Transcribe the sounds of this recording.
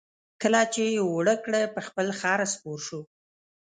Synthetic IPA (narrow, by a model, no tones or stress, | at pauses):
kəlat͡ʃewɽəkɽəpəxpəlxɑɾaspoɾʃu